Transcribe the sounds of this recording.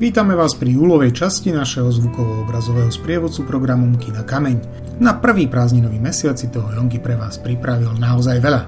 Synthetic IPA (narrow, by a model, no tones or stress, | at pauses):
ʋiːt̪amɛʋaːspɾiuːlɔʋɛjt͡ʃascinaʃɛɦɔzʋukɔʋɔɔbɾazɔʋɛːɦɔspɾɪɛʋɔt͡supɾɔɡɾamɔmkinakamɛɲ | napr̩ʋiːpɾaːzɲinɔʋiːmɛsɪat͡sit̪ɔɦɔjɔŋkipɾɛʋaːspɾipɾaʋilnaɔzajʋɛʎa